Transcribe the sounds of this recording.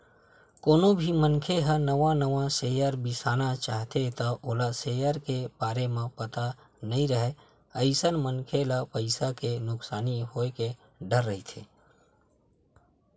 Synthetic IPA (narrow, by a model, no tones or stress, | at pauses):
koːnobʱimənkʰeɦənəʋãnəʋãseːjəɾbɪsaːnat͡ʃaːɦt̪et̪aʔoːlaseːjəɾkebaːɾemẽpət̪a | nəɦĩɾəɦe | əɪsənmənkʰelapəɪsakenʊksaːniɦoːeke | ɖəɾːəɦit̪ʰḛː